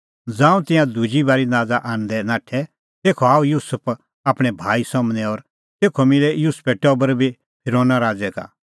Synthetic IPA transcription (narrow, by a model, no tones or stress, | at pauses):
d͡zãːũt̪ɪ̃jãd̪ud͡ʒibaːɾinaːd͡zaʔaːñd̪ɛnaːʈʰɛ | t̪eːkʰɔaːujuːsəpʰ | aːpɽ̃ɛbʱaːisɔmnɛɔɾ | t̪eːkʰɔmɪlɛjuːspʰɛʈɔbəɾbʱi | pʰɪɾoːnaɾaːd͡zɛka̰